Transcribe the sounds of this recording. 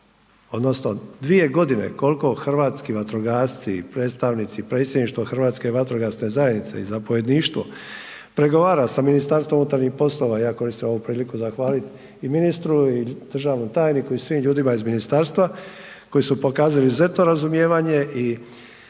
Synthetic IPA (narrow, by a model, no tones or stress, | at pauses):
o̞d̪no̞sno̞d̪ʋie̞ɡo̞d̪ine̞̰ko̞lko̞xr̩ʋaːt̪skiʋat̪ɾoɡaːst̪sipɾeːt̪st̪aʋnit̪sipɾe̞ːt̪sjed̪niʃt̪ʋoxr̩ʋaːt̪ske̞ʋat̪ɾoɡasne̞zaje̞d̪nit̪se̞̰ḭzapoje̞d̪niːʃt̪ʋo̰ | pɾe̞ɡo̞ʋaːɾasaminist̪aɾst̪ʋo̞munut̪aɾɲixpo̞slˠo̞ʋaijaːko̞ɾist̪imoupɾiːlikuzaxʋaːlit̪ | iminist̪ɾuid̪̥r̩ʒaːʋnomt̪aːjnikuisʋiːmʎuːd̪imaizminist̪aɾst̪ʋa | ko̞jisupo̞kaːzalizuze̞t̪no̞ɾazumjeːʋaɲe̞ʔi